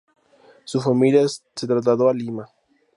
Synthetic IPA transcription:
sufamilja | set̪ɾazlaðoalima

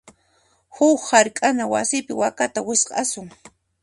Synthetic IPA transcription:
hʊkhaɾkʼanawa̰sɪpɪwakat̪awɪsqʼɑ̰sʊŋ

